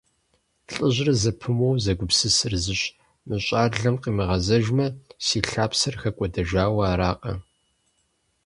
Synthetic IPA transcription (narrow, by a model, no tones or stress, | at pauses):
ɬʼɨʑrɐzɐpʰɨmowzɐɡʷʊpsɨsɨrzɨɕ | mɨɕʼaːɮɐmqʼiːmɨʁɐzɐʒmɐsiːɬaːpsɐrxɐkʷʼɔdɐʒaːwaːɾaːqʼɐ̰